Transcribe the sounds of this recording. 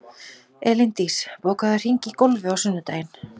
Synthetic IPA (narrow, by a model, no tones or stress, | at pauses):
ɛlɪnt̪ispoːwkaðʏr̥iɲcɪkolvɪawsʏnːʏt̪ajɪn